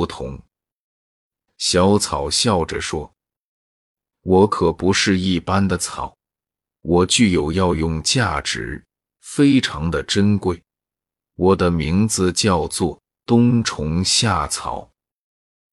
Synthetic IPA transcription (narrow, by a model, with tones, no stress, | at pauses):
t̪ʰʊ̰˧˥ŋ | ɕjɑ˧˥ʊt͡sʰɑ˨˩ʊɕjɑ˥˩ʊʈ͡ʂə˩ʂwɔ˥ | wɔ˧˥kʰɤ˨˩pu˧˥ʂɻ̩˥˧i˥˩pa˥nd̪ə˨t͡sʰɑ˨˩˦ʊ | wɔ˨˩t͡ɕy˥˩jo˨˩ʊjɑ˥˧ʊjʊ˥˧ŋt͡ɕja˥˩ʈ͡ʂɻ̩˧˥ | fe˥ɪʈ͡ʂʰɑ˧˥ŋd̪ə˧ʈ͡ʂə˥nkwe˥˩ɪ | wɔ˨˩d̪ə˦mi˧˥ŋd͡zɹ̩˧t͡ɕjɑ˥˧ʊt͡swɔ˥˩ | t̪ʊ˥ŋʈ͡ʂʰʊ˧˥ŋɕja˥˩t͡sʰɑ̰˨˩˦ʊ